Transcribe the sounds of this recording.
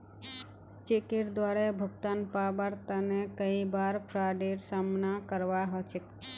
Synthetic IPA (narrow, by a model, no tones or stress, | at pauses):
t͡ʃekɪɾd̪waɾebʱəɡt̪anpabəɾt̪anekəibaɾpʰɾaɖeɾsamnakəɾʋaɦɔt͡ʃek